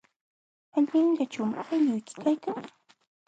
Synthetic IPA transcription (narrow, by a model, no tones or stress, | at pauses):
aʎɪŋjat͡ʃawmajʎʊjkɪ̥kajkaŋ